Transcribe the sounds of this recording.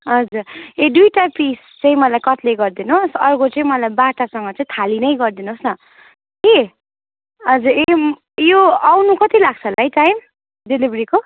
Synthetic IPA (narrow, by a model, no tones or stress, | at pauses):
ɦʌd͡zuredujʈapis | t͡sʌĩmʌlajkʌt̪leɡʌrd̪inosʌrkot͡sʌĩmʌlajbaʈasʌŋɡʌt͡sʌĩt̪ʰalinʌjɡʌrd̪inosnʌ | e | ʌd͡zure | joawnukʌt̪ilaɡ̚t͡sʰʌlajt͡sain | delibriko